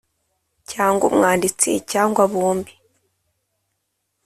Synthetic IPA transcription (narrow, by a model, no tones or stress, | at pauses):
caːŋɡo̰mŋaːndit͡sḭcaːŋɡwaβuːmbi